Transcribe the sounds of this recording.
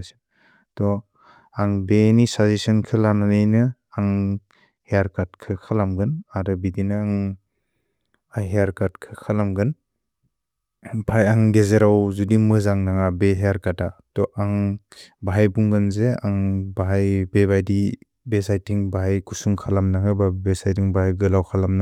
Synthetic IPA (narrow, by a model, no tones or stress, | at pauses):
s | tɔ | aŋbenisazesɯnkʰɯlananɯjnɯ | aŋ | hejaɾkaɾt̚kʰɯkʰalamɡɯnaɾɯbidinɯaŋ | ajɦejaɾkatkʰɯkʰalamɡɯn | bʰʱajaŋɡezeɾawzudimɯzaŋnaŋabeɦejaɾkatatɔʔaŋbaɦajbuŋɡɯnzeaŋbaɦajbebajdi | besajtiŋbaɦajkusuŋkʰalamnakʰɯbabesajtiŋbaajɡɯlawkʰalamna